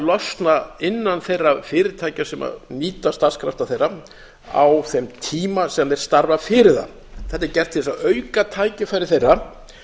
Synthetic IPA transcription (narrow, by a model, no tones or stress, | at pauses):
lɔst̪naɪnːanθejrːafɪːɾɪt̪ʰaːjcasɛmʔa̰niːt̪ast̪aɾ̥skʰɾaft̪aθejrːa | a̰wθɛmt̪ʰiːmasɛmɛɾ̥st̪aɾvafɪːɾɪða̰ | θɛt̪ɪɾcɛr̥t̪ʰɛsaœɥkat̪ʰaːjcɪfaːjɾɪθejrːa